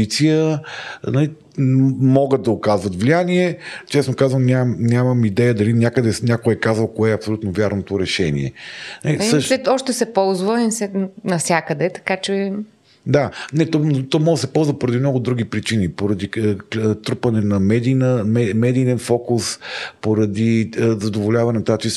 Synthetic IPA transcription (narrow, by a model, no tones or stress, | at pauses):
it̪sijə | nɐli | mɔɡət̪̚d̪ɐokazvət̪vlijaniɛt͡ʃɛsnokazvəmnʲanʲaməmid̪ɛjəd̪ɐlinʲakəd̪ɛnʲakojɛkazvəlˠkoɛɐpsolʲut̪novʲjaɾnot̪oɾɛʃɛnḭɛ̰nalisʃɛɔʃt̪ɛsɛpɔlˠzvəisɛnɐfsʲjakəd̪ɛt̪ɐ̥kat͡ʃɛ | d̪anɛt̪ɔt̪ɔmɔɡ̪əsɛpɔlˠzvəpoɾɐd̪imnɔɡʊd̪ɾuɡ̟ipɾit͡ʃinipoɾɐd̪it̪ɾupɐnɛnɐmɛd̪inəmɛmɛd̪iːnɛnfɔkuspoɾɐd̪izɐd̪ovolʲavɐnɛnt̪at͡ʃis